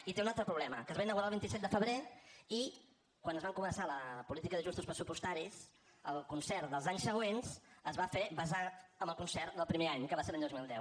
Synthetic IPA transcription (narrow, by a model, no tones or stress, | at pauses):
it̪eunalˠt̪ɾəpɾuβlɛmə̰kəzβainəɣuɾalˠβint̪isɛt̪̚d̪əfəβɾei | kwanəzβaŋkumənsaləpulit̪ikəðəʒust̪uspɾəsupust̪aɾis | əlˠkunsɛɾd̪əlˠzaɲsəɣ̞wensəzβafeβəzat̪əmbəlˠkunsɛɾd̪əlˠpɾimeaɲkəβaselaɲd̪ozmilˠd̪ɛw